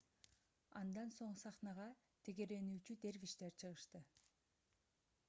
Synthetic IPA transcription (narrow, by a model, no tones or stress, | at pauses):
ɑ̰nd̪ɑnso̞ɴsɑχnɑʁɑ | t̪ʰe̞ɡe̞ɾe̞nyːt͡ʃyd̪e̞ɾviʃt̪e̞ɾt͡ʃʰɯʁɯʃt̪ɯ